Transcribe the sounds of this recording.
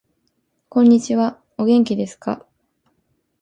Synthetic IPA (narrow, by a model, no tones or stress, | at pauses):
kõ̞ɲ̟ːit͡ɕiβa | o̞ɡẽ̞ŋkʲid̪e̞sɨ̥ka̰